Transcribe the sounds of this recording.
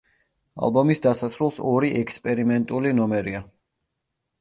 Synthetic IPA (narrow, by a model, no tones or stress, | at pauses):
a̰lˠbɔmisd̪asasɾulˠsɔɾiʔɛkʰspʼɛɾimɛnt̪ʼulinɔmɛɾia